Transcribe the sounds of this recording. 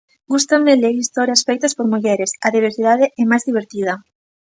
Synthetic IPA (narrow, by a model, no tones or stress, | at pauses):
ɡust̪ameleɾist̪oɾjasfejt̪ɐspoɾmuʎɛɾesɐðiβ̞eɾsiðað̞eʔɛmajzðiβ̞eɾt̪iðɐ